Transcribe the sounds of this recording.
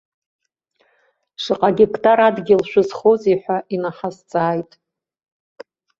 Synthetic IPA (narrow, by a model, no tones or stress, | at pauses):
ʂɨqʼaɡʲikʼtʰʼaɾadɡʲɪlʃʷᶣʊzχoziħʷaʔinaħazt͡sʼaːjtʼ